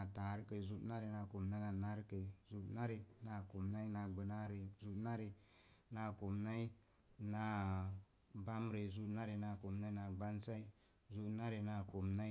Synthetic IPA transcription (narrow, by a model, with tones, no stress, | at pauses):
a˨ta˨ɾkə˨zu˦na˦ɾe˨na˧ko˨mna˦na˧˨na˦ɾkə˨zu˦ʔna˦ɾe˧na˧ko˨mna˦i˦na˧ɡ͡bə˨na˦ɾe˨zu˧˦ʔna˦ɾe˧ | na˧ko˨mna˦i˦ | na˧ | ba˦mɾe˨zu˦ʔna˦ɾe˨na˧˨ko˨mna˦i˦na˧˨ɡ͡ba˦nsa˦i˦ | zu˦tna˦ɾe˨na˧ko˨mna˦